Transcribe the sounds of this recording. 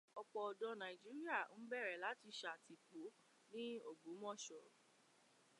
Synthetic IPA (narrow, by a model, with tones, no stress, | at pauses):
ɔ˧k͡pɔ˧ɔ˨dɔ̃˧˦nã˨i˨d͡ʒi˦ɾi˦a˦˨n̩˦bɛ˦˨ɾɛ˨la˨˦ti˧ʃa˧a˨ti˧k͡po˨˦ | nĩ˦o˦˨ɡ͡bu˨˦mɔ̃˦˨ʃɔ˨ɾ